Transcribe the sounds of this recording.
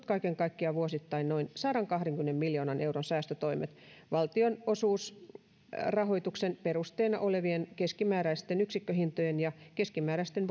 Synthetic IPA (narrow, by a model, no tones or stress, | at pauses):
t̪kɑikeŋkɑikːiɑʋuosit̪ːɑinnoinsɑɾɑŋkɑhreŋkymenemːiljoːnɑnʔeuwronsæːst̪øt̪oimḛt̪ | ʋɑlt̪ionosuːs | rɑɦoit̪uksenperust̪eːnɑʔoleʋienkeskimæːɾæist̪enyksikːøɦint̪ojenjɑkeskimæːɾæist̪enʋ